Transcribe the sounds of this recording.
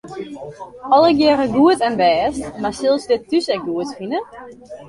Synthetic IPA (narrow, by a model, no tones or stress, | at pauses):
ɔlˠəɡjɛːɾəɡuətɛnʋɛːstmasɪlˠsdɪtːysɛk̚ɡuətfinə